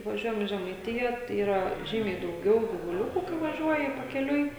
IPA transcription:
ʋɐˈʒʲuɔjɛm ɪ ʒʲɛmɐɪˈtʲɪjɛ tɐɪ ˈiːrɐ ˈʒʲiːmʲɛɪ dɐʊˈɡʲɛʊ ɡʲɪʋʊˈlʲʊkʊ kɐɪ ʋɐˈʒʲuɔjɪ pɐkʲɛˈlʲʊɪ

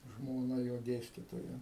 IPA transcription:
ʒmoːˈnɐ joː ˈdʲeːsʲtʲiːtoːjɛ

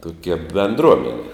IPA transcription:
toːkʲɛ bʲɛnˈdruɔmʲɛnʲɪ

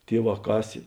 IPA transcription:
ˈtʲiɛˌʋɑː ˈkɑːsʲeː

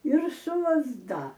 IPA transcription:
ɪr sʊ lˠɐzˈdɐ

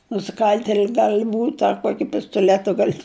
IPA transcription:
nʊsʲɪˈkɐlʲtʲɛlʲɪ ˈɡɐlʲ ˈbuːtʲ ɐ ˈkuɔkʲɪ pʲɪstoːˈlʲæːtʊ ˈɡɐlʲ

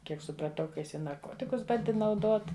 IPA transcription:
ˈkʲiɛk sʊprɐˈtɐʊ kɐ ˈjɪs ɪ nɐrˈkoːtʲɪkʊs ˈbɐnʲdʲɪ nɐʊˈdoːt

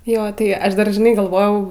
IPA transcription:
ˈjoː tɐɪ ˈɐʃ ˈdɐr ʒʲɪˈnɐɪ ɡɐlˠˈʋoːjɛʊ

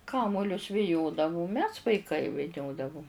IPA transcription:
ˈkɑːmoːlʲʊs ʋʲɪˈjoːdɐʋʊm mʲɛs ʋɐɪˈkɐɪ ʋʲɪˈnʲoːdɐʋʊm

